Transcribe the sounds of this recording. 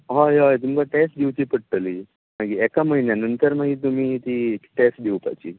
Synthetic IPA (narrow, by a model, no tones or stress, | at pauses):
ɦajat̪̬umkaʈɛsʈd̪ewt͡ɕipəɽʈəli | naɡiɛkaməɦinjanənt̪əɾmaɡiːt̪̬um̤iːt̪ieʈɛsʈ̚d̪ewpa̰jt͡ɕiː